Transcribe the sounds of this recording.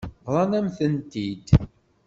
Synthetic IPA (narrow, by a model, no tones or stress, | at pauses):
ɾˤɑnæmθənt̪id̪